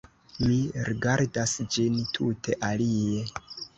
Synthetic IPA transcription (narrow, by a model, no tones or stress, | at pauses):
miɾiɡaɾdasd͡ʒintʰutʰe̞ʔalije̞